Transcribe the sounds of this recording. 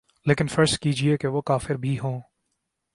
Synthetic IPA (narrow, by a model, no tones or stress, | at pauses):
leːkɪnfəɾstkiːd͡ʒieːkeʋoːkaːfɪɾbʱiɦõː